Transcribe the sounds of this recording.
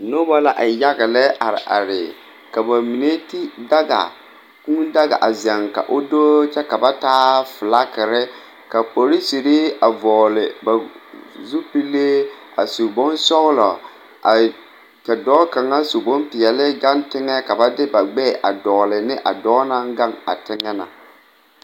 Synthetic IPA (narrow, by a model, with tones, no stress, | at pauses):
no˦ba˦la˦ʔa˨ja˦ɣɪ˨lɛ˦ʔa˨ɾɪ˨ʔa̰˨ɾɪ˨ | ka˨ba˨mi˨ne˦ti˦da˦ɡa̰˨ | ku˦n˦da˦ɣa̰˨ʔa˨zɛ˨ŋka̰˨ʔʊ˦doː˦t͡ʃɛ˦ka˨ba˦taː˦fɪ˨la˦kɪ˨ɾɪ˦ | ka˨k͡po˨ɾi˦si˨ɾi˦a˨vɔː˨lɪ˨ba˨zu˦pi˦lːe˦ | a̰˨su˨bɔ˦nsɔ˦ɣlɔ˨ | a˨ | ka˨dɔː˦ka˨ŋa˦su˨bɔ˦npɪ˨jɛ˨lɪ˦ɡa˦ntɪ˦ŋɛ˦ka˨ba˦dɪ˦ba˨ɡ͡bɛ˦˨ʔa˨dɔː˨lɪ˨nɪ˦ʔa̰˨dɔː˦na˦ŋɡa˦ŋa̰˨tɪ˦ŋɛ˦na̰˨